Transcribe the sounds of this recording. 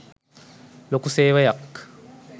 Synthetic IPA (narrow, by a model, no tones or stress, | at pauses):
lokuseːʋajakː